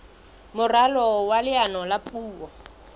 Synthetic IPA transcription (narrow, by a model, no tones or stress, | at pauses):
mʊralɔwalɪanɔlapʼuːwɔ